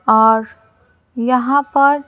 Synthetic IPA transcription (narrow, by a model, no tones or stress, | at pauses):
ɔːɾ | jɐɦãpɐɾ